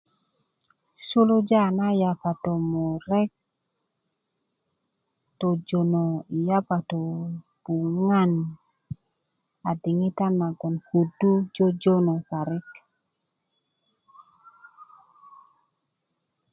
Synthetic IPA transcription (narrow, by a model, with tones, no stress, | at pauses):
su˦lu˦d͡ʒa˦˨na˦ja˨pa˨to˨mo˨ɾɛ˦k̚ | to˨d͡ʒo˨no˨i˨ja˦pa˨to˨ | b̥u˨ŋa˦n | a˨di˨ŋi˦ta˦nma˨ɡɔ˨nku˨du˦d͡ʒo˦d͡ʒo˦no˨pa˨ɾɪ˦k